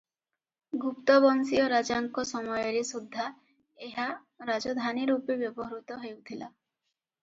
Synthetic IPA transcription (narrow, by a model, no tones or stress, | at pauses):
ɡupt̪ɔbɔnsiɔɾad͡ʒaŋkɔsɔmɔjɔɾesud̪ʱːa | eɦa | ɾad͡ʒɔd̪ʱaniɾupebjɔbɔɦɔɾut̪ɔɦewt̪ʰila